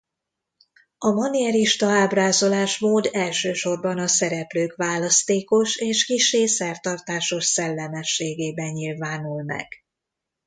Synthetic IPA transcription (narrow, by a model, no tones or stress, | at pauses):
ɒmɒniɛɾiʃt̪ɒaːbraːzo̞laːʃmoːd̪ɛlʃøːʃo̞rbɒnɒsɛɾɛpløːkʋaːlɒst̪eːko̞ʃeːʃkiʃːeːsɛrt̪ɒrt̪aːʃo̞ʃsɛlːɛmɛʃːeːɡeːbɛɲɲilvaːnulmɛ̰ɡ̥